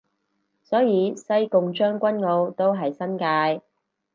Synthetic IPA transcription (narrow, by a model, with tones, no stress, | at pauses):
sɔː˨˥jiː˨˧sɐ˥jkʊ˨ŋt͡ʃœː˥ŋkʷɐ˥nŋo˨˧wt̪o˥wɦɐ˨jsɐ˥nkaː˧j